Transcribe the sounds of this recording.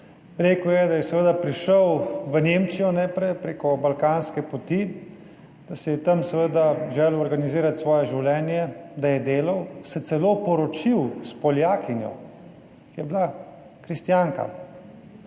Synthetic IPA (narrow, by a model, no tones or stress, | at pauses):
ɾeːkwjɛd̪ajɛsɛʋəːd̪apɾiʃəwʋəneːmt͡ʃijɔnɛpɾɛjpɾeːkɔbalkaːnskɛpɔt̪i | d̪̥asɛjɛt̪ɐmsɛʋəd̪aʒɛːlɔɾɡaniziːɾat̪sʋɔːjɛʒiwlɛːnjɛd̪ajɛd̪eːlɐwsɛt̪sɛloːpɔɾɔt͡ʃiwspɔljaːkinjɔ̰ | kijɛbla | kɾist̪jaŋka̰